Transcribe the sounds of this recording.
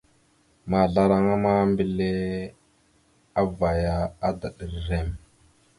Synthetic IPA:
ma˨ɮa˦ɾa˦ŋa˦ma˦mbi˦˨le˦ | a˦va˨ja˦a˦da˨ɗə˨ɾɾe˦˨m

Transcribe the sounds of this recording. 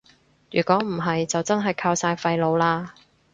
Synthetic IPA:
jyː˨˩kʷɔː˨˥m̩˨˩ɦɐ˨jt͡sɐ˨wt͡sɐ˥nɦɐ˨jkʰaː˧wsaː˧jfɐ˧jlo˨˧wlaː˧

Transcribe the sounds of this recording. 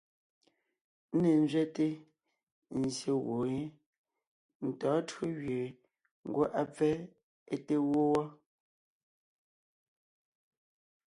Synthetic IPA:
ne˨n˦zɥɛ˦te˦ | n̩˨zje˨ɣo˨e˦ | n̩˨tɔː˨˦tɰo˦ɣɥe˨ | ŋ˨ɡwo˦ʔa˦p͡fɛ˦ | e˦te˦wo˦wɔ˦

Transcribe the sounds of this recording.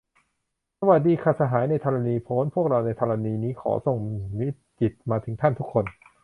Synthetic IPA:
sa˧wa˨˩t̪̚diː˧kʰaː˧˩sa˧ɦaː˩˦jna˧jt̪ʰɔː˧ɾa˧niː˧pʰoː˦˥npʰu˥˩ək̚ɾa˧wna˧jt̪ʰɔː˧ɾa˧niː˧niː˦˥kʰɔ̰ː˩˦so˨˩ŋmi˦˥ | t͡ɕi˨˩t̪̚maː˧t̪ʰɯ˩˦ŋt̪ʰa˥˩nt̪ʰu˦˥kʰːo˧n

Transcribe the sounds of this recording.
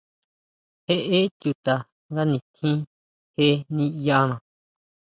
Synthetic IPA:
he˦ʔe˦t͡ʃu˧t̪a˨ | ŋɡa˦nĩ˧t̪ʰĩ˦ | he˦nĩ˦ja˦nã˨

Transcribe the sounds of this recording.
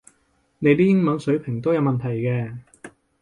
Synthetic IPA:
ne˨˧jt̪iː˥jɪ˥ŋmɐ˨˥nsɵ˨˥ɥpʰɪ˨˩ŋt̪o˥wjɐ˨˧wmɐ˨nt̪ʰɐ˨˩jkɛː˧

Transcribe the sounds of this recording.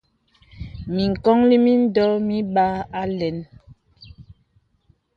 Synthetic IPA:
mi˨ŋ̩˨kɔ˦ŋli˦mi˦n˦dɔ˦mi˦ɓa˦a˦lɛ˨˦n

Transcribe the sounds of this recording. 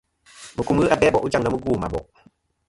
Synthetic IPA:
mə˨ku˦mɣɨ˦ʔa˦bɛː˦bɔ˨ʔu˦d͡ʒa˦˨ŋnɔ˦mə˦ɡuː˦˨ma̰˨bɔ̰˨ʔ

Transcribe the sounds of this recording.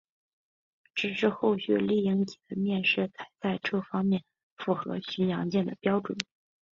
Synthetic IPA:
ʈ͡ʂɻ̩˨˩ʂɻ̩˥˧xo˥˩ʊɕɥɛ̰˨˩li˥˩i˧˥ŋt̪ʰi̥˨˩d̪ə˦mjɛ˥˧nʂɻ̩˥˩t͡sʰa˨˩ɪt͡sa˥˧ɪʈ͡ʂʰɤ˥˩fɑ˥ŋmjɛ˥˩n | fu˥˩xɤ̰˧˥ɕy˧˥njɑ˧˥ŋt͡ɕjɛ˥˩nd̪ə˩pjɑ˥ʊʈ͡ʂwə̰˨˩˦n

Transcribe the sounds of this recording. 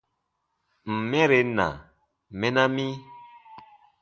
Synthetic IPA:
m̩˨mɛ̃˦ɾe˨nã̰˨ | mɛ˦nã˦mi˦

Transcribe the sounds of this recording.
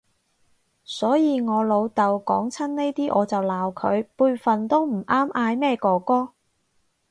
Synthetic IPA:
sɔː˨˥jiː˧ŋɔː˨˧lo˨˧wt̪ɐ˨wkɔː˨˥ŋt͡sʰɐ˥nne˥jt̪iː˥ʔɔː˨˧t͡sɐ˨wlaː˨wkʰɵ˨˧ɥpuː˧jfɐ˨nt̪o˥wm̩˨˩ʔaː˥mʔaː˧jmɛː˥kɔː˨kɔː˥

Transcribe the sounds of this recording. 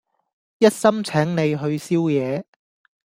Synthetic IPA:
jɐ˥t̚sɐ˥mt͡sʰɛː˨˥ŋne˨jɦɵ˧ɥsiː˥wjɛː˨˧

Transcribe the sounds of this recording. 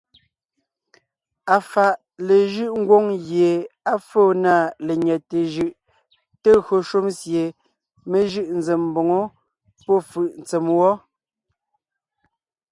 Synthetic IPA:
a˨fa˨ʔ | le˨ʒɯ˦ʔŋ̩˦ɡwo˦ŋɣje˨a˦fo˦˨na˦˨le˨ɲɛ˨te˨ʒɯ˨ʔ | te˦ɣɰo˨ʃu˦msje˨ | me˦ʒɯ˦ʔn̩˨ze˨m˦bo˨ŋo˦ | pɔ˦˨fɯ˨ʔn̩˨t͡se˨mwɔ˦

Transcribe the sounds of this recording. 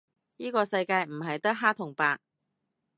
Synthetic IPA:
jiː˥kɔː˧sɐ˧jkaː˧jm̩˨˩ɦɐ˨jt̪ɐ˥k̚ɦaː˥t̪ʰʊ˨˩ŋpaː˧k̚

